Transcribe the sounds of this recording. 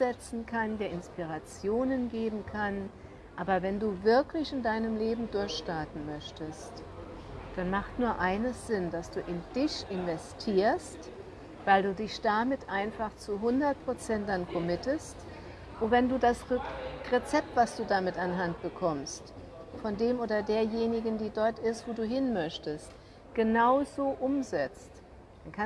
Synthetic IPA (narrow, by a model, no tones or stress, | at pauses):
z̥ɛt͡sn̩kʰandeːɐɪnspiʁ̞at͡sjoːnənɡeːbm̩kʰan | ʔaːbɐvɛnduːvɪɐklɪçɪndaɪnəmleːbm̩dʊɐçʃtaɐtn̩mœçtəst | d̥anmaχtnuːɐʔaɪnəsz̥ɪndasd̥uːʔɪnd̥ɪçʔɪnvɛstʰiːɐst | vaɪlduːdɪçd̥amɪtʔaɪnfaχt͡suɦʊndɐt̚pʁ̥ot͡sɛntdankʰɔmɪtəst | ʔʊntvɛnduːdasʁet͡sɛp̚tv̥asd̥uːdamɪtanɦant̚b̥əkʰɔmst | fɔndeːmʔoːdɐdeːɐjeːnɪɡn̩diːdɔɐtɪstv̥oːduːɦɪnmœçtəst | ɡ̥ənaʊzoːʔʊmzɛt͡st | d̥ankʰa